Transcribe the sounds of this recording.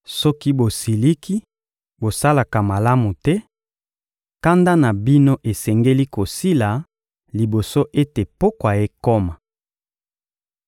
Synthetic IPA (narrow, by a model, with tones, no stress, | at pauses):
sɔ˦ki˦bo˨si˨li˦kʰi˦ | bo˨sa˦la˨ka˨ma˨la˦mu˨tɛ˦ | ka˦nda˦na˨bi˦no˦ʔe˨sɛ˨ŋɡe˦li˦ko˨si˦la˨ | li˨bo˨so˦ʔe˦te˨po˦kwa˨je˦ko˦ma˨